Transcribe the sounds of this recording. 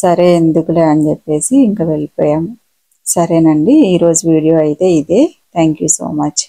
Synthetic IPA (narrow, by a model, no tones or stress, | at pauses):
sɐɾe̞ːnd̪ukuleːɐnt͡ʃepːe̞ːsiːŋkɐʋe̞ɭipɔ̰ːjaːm | sɐɾe̞ːnɐɳɖiiːɾo̞ːd͡ʒuʋiːɽijo̞ːɐjit̪e̞ːid̪eːt̪ʰaːŋkjuːso̞̰ːmɐt͡ʃː